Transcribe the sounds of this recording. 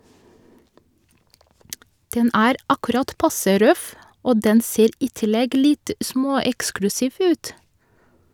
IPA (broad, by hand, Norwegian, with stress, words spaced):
ˈdɛn ˈæːɾ ˈɑkʉɾɑt ˈpɑsə ˈɾœf ˈoː ˈdɛn ˈseːɾ ˈiː ˈtɪlɛɡ ˈlɪt ˈsmoːˌɛksklʉsɪʋ ˈʉːt